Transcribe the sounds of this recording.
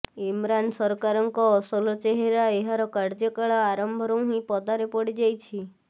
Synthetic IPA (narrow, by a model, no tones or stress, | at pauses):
imɾansɔɾkaɾɔŋkɔːsɔlɔt͡ʃeɦeɾaeɦaɾɔkaɾd͡ʒɔkaɭaaɾɔmbʱɔɾɔ̃w̃ɦĩpɔd̪aɾepɔɽid͡ʒajt͡ʃʰi